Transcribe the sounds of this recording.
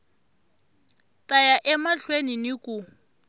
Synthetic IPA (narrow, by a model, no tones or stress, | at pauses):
tʼajaʔɛmaɬweninɪkʼʊ